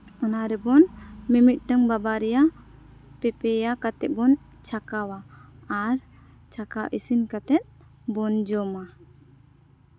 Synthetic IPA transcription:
ɔnaɾɛbɔnmimit̪̚ˀʈəŋbabaɾɛja | pɛpɛjakat̪ɛt̪̚bɔn | t͡ʃʰakawaː | ɾ | t͡ʃʰakaʔisinkat̪ɛt̪̚ | bɔnd͡ʒɔma

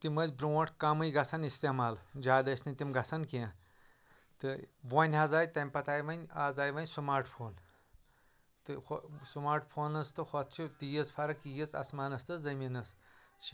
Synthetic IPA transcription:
t̪imɐzʲbɾuwɐʈkɐmɨjɡɐsʰɐnist̪eːmaːld͡ʒaːd̪ɐsʲnɨt̪imɡɐsʰɐnkiã | t̪ɨʋɐnʲɦazaːjt̪ɐmʲpɐt̪aːjʋɐnʲaːzaːjʋɐnʲsumaːɾʈpʰoːn | t̪ɨxsumaːɾʈpʰoːnɐst̪ɨxʰɔt̪̚ʰt͡ʃʰut̪ijɐzpʰɐɾɐkijit͡sɐ̰smaːnɐst̪ɨzɐmʲinɐst͡ʃʰi

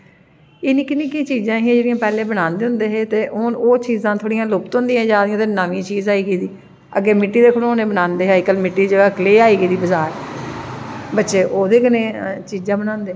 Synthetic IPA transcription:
ɪnĩːkɪnĩːkĩːt͡ʃiːzãːɦiãd͡ʒeːɽɪjãːpɛːleːbəɽãːnd̪eːɦʊ̃nd̪eːɦeːt̪eːʔoːnoːt͡ʃiːzãːt̪ʰoːɽijãːlʊpt̪ʊ̃nd̪ijãːd͡ʒãːd̪ijãːt̪eːnəʋĩːt͡ʃiːzaːiːɡeːd̪iː | ə̰ɡeːmɪʈːiːd̪eːkʰʊɽõoːneːbənãːnd̪eːɦaːikəlmɪʈːiːd͡ʒəɡaːkleːaːiːɡeiːd̪iːbəzaːɾ | bətːʃeːʔoːd̪eːkɪneːt͡ʃiːzãːbənãːnd̪eː

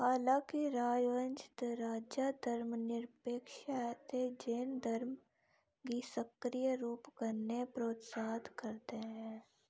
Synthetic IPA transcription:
haːlãːkiɾaːjʋə̃nt͡ʃɪ̥t̪ɾaːd͡ʒad̪əɾmnɪɾpeːkʃat̪ʰed͡ʒeːnd̪əɾm | kisəkɾijəɾuːpkəɾnepɾoːt̪saːd̪kəɾt̪eɦɛ̃ː

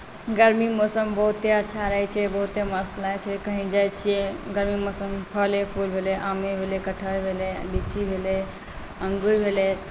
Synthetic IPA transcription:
ɡəɾmimosəmbəɦut̪eətːʃʰaɾəɦɛt͡ʃʰɛbəɦut̪eməst̪lat͡ʃʰɛkəɦĩd͡ʒajt͡ʃʰieɡəɾmimosəmpʰəlepʰulbʱeleʔamebʱelekəʈʰəɾbʱeleɖit͡ʃʰibʱele | əŋɡuɾbʱele

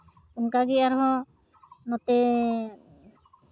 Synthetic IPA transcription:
uŋkaɡɛaɾɦɔ̃ | nɔt̪ɛ

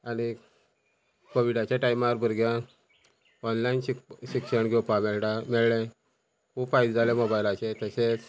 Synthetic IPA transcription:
añi | koʋiɽat͡ɕaʈaimaɾbʱəɾɡjã | ɔnlainɕikɕikɕəɳɡʱɛwpamɛɭamɛɭlẽ | kufajd̪d͡zalemobajlat͡ɕet̪əɕet͡s

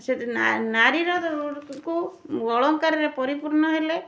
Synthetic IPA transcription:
set̪anaɾiɾɔd̪ɔɾuʈkuɡɔɭɔŋkaɾeɾepɔɾipuɾnɔɦele

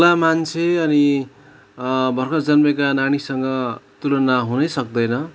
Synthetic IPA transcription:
lamant͡sʰeʌni | bʱʌrkʌd͡zʌnmʌkanaɽ̃isʌŋɡʌt̪ulʌnaɦunʌjsʌk̚d̪ʌjnʌ

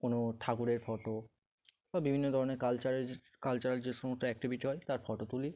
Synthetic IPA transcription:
konoʈʰakuɾeɾfɔʈo | babibʱinːod̪ʱɔɾonekalt͡ɕaɾe | kalt͡ɕaɾaɾd͡ʑeʃɔmosʈoɛk̚ʈibʱiʈiɦɔet̪aɾfɔʈot̪uli

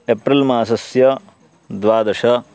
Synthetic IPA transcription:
epɾɐlmaːsɐsjɐ | d̪ʋaːd̪ɐʂɐ

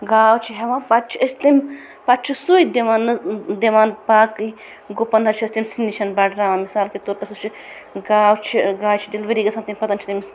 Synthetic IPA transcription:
ɡaːwt͡ʃʰiɦɐʋãːpat̪t͡ʃʰiɐsʲt̪im | pat̪̚t͡ʃʰisuid̪iʋaːnɨd̪eʋaːnpaːkɨi | ɡopɐnɦɐt͡ʃʰiɐsʲt̪imʲsinːiʃʰɐnbaɖɾaːʋãːmisaːlkit̪oɾt̪ɐsut͡ʃʰi | ɡaːwt͡ʃʰiɡaːwt͡ʃʰid̪elʋɐɾiːɡɐsʰɐnt̪imʲpɐt̪ɐnt͡ʃʰit̪ɐms

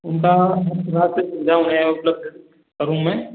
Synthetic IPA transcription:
ʊnkaɦɐsɾaːt̪ĩnd̪aʊnẽʊpləb̚d̪ʱ | kɐɾũmẽ

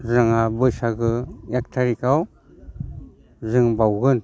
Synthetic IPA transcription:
zaŋabɯjsaɡɯjak̚tʰaɾikʰaw | zɯŋbawɡɯn

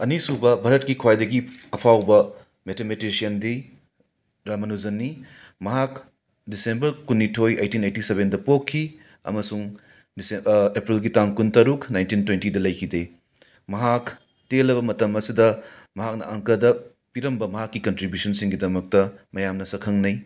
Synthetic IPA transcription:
ɐnisubɐbʱɐɾɐt̚kikʰwajdɐɡiɐpʰawbɐ | metʰemetisiɐnde | ɾamɐnuzɐnːi | mɐɦak | disembɐɾkunːitʰoja̰jtinajtiseβendɐpokʰːi | ɐ̰mɐsuŋ | sepɾilɡitaŋkuntɐɾuknajntintwentidɐlɐjkʰide | mɐɦak | telːɐbɐmɐtɐmɐsidɐ | mɐɦak̚nɐ̰ɐŋkɐdɐ | piɾɐmbɐmɐɦakːikɐntɾibjusɐnsiŋɡidɐmɐk̚tɐmɐjamnɐsɐkʰɐŋnɐj

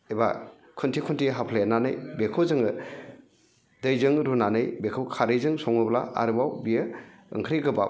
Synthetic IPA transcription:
eba̰ | kʰuntʰikʰuntʰiɦapʰleananɯjbekʰɯwzɯŋɯ | dɯjzɯŋɾunanɯjbekʰɯwkʰaɾɯjzɯŋsɔŋɯbla̰a̰ɾɯbawbijɯɯ̰ŋkʰɾiɡɯba

